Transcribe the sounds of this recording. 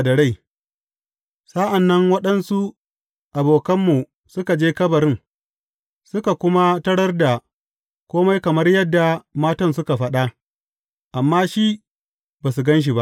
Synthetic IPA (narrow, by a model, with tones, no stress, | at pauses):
da˨ɽa˦˨j | sa˦ʔa˨nːɐ˦ŋwɐ˦ɗɐ˦nsu˦ | ʔa˨boː˨kɐ˦mːu˨ | sʊ˦ka˨d͡ʒeː˦kɐ˦bɐ˨ɾɪ˦ŋ | sʊ˦ka˨kʷʊ˦ma˦tɐ˦ɽɐ˦rda˨ | kʷoː˦ma˦jkɐ˨mɐ˦rjɐ˦dːa˨maː˦tɐ˦nsʊ˦ka˨ɸɐ˦ɗa˦ | ʔa˨mːaː˦ʃi˦ | baː˨s̬u˨ɡɐ˦nʃ̬i˨ba˦ʔ